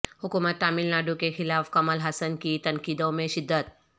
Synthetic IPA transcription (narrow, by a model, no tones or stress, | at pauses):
hʊkuːmət̪ːaːmilnaːɖukexɪlaːfkɐməlɦəsənkit̪ɐnkiːd̪õmẽʃɪd̪ːət̪̚